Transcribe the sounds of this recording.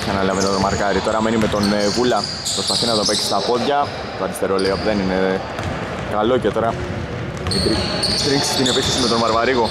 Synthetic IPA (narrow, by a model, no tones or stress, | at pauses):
kɐnɐlɐvenot̪omɐɾkɐɾit̪o̞ɾɐme̞nimet̪o̞nɣulɐ | pɾo̞spɐθinɐt̪opeksi̥st̪ɐpo̞ðʝɐ | t̪oɐɾist̪e̞ɾoleiɐpuðe̞nine̞ | kɐlo̞ce̞t̪o̞ɾɐ | it̪ɾit̪ɾiŋksi̥cine̞pisizme̞t̪o̞nvɐɾvɐɾiɣo̞